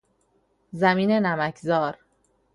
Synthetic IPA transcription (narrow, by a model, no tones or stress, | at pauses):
zæmiːne̞næmækʰzɒːɾ